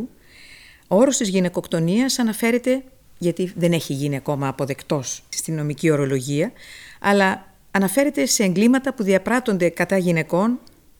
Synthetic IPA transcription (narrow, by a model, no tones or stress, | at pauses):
u | o̞ɾo̞st̪izʝine̞ko̞kt̪o̞niɐsɐnɐfe̞ɾe̞t̪e̞ | ʝɐt̪iðe̞ne̞çiʝiniɐko̞mɐːpo̞ðe̞kt̪o̞sst̪ino̞micio̞ɾo̞lo̞ʝiɐɐlɐː | nɐfe̞ɾe̞t̪e̞se̞ːŋɡlimɐt̪ɐpuðiɐpɾɐt̪o̞nd̪e̞kɐt̪ɐʝine̞ko̞n